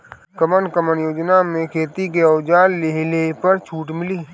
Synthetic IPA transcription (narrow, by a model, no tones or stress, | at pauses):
kəmənkəmənjoːd͡ʒnamẽkʰeːt̪ikeəʊd͡ʒaːlːeɦlepəɾt͡ʃʰuːʈmɪliː